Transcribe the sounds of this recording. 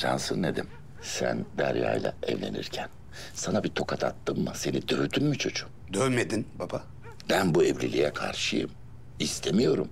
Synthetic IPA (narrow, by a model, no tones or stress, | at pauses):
ʒansɯnːed̪im | sæ̰nd̪æɾja̰ːjlˠa̰ɛ̰vlʲe̞̰nḭɾcʰæn | sanabit̪ʰo̞kʰat̪ʰat̪ːɯmːɯse̞nid̪øyd̪ynmit͡ʃʰo̞d͡ʒu | d̪ønmed̪inbaba | bænbuɛvlʲilʲijɛkʰaɾʃɯjɯ̰m | ist̪ʰemijo̞ɾum